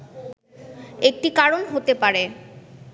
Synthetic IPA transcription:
ek̚ʈikaɾonɦot̪epaɾe

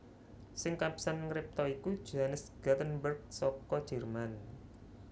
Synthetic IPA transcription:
sɪŋkapi̥sanŋɾɪp̚t̪ɔikud̥ʒ̥oɦanəsɡ̥ad̪ənbərɡ̚sɔkɔd̥ʒ̥ɛ̤rman

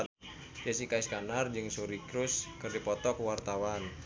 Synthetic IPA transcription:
d͡ʒəsikaiskanard͡ʒɨŋsuɾikɾuskɨrdipɔt̪ɔkəwart̪awan

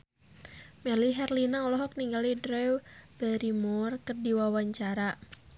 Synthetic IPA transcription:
mɛliɦɛrlinaɔlɔɦɔk̚niŋɡalidɾɛwbɛɾimurkərdiwawaɲt͡ʃaɾa

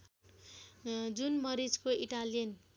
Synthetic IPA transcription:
d͡zunmʌɾid͡zkoiʈalijʌn

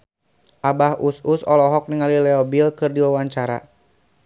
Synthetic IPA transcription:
ʔabahususɔlɔɦɔk̚niŋalilɛɔbilkɨrdiwawaɲt͡ʃaɾa̰

